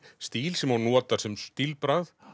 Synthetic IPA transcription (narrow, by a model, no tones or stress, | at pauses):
st̪iːlsɛmawnɔːt̪ḁsɛmst̪ilpɾað